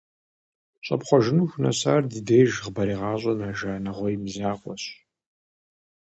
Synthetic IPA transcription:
ɕʼɐ̰pχʷɔʒɪnuːxʷnɐ̰saːrdɨdejʒʁbɐɾiːʁɑːɕʼɔnaːʒaːnɐʁʷɔjmzaːqʷʼɔɕ

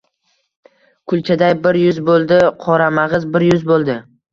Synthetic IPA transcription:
kʰʊlˠt͡ʃʰad̪ajbɪɾjʊzbolˠd̪ɪqʰɒɾamaʁɨzbɪɾjʊzbolˠd̪ɪ

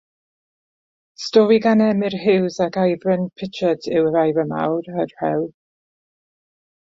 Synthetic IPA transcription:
stɔɾiɡanɛmɪrhɪwzakʰajvrənpʰɪtʰədɪwəɾajvənma̰wɾərhɛwl

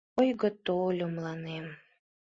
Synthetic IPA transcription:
ojɣə̆t̪olʲomlˠɑnem

